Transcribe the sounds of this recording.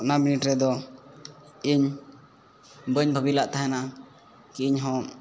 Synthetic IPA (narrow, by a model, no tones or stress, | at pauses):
ʔnaminiʈɾɛd̪ɔ | iɲ | bəɲbʱəbilaʔt̪aɦɛna | kiɲɦɔ̃